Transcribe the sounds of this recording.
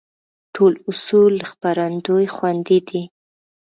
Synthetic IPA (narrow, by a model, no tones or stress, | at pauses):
ʈʰolʊsulːəxpaɾand̪ojxwand̪id̪i